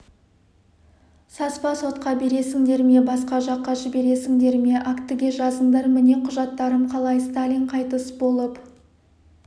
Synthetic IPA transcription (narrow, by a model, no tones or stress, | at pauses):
sɑspɑso̞t̪qɑbe̞ɾe̞sɪŋd̪e̞ɾme̞bɑsqɑʒɑqːɑʒɪbe̞ɾe̞sɪŋd̪e̞ɾme̞ʔakt̪ɪɡʲe̞ʒɑzəɴd̪ɑɾmɪne̞qʰʊʒɑt̪ːɑɾəmqʰɑlˠɑjst̪alʲijɴqʰɑjt̪əsbo̞lˠəp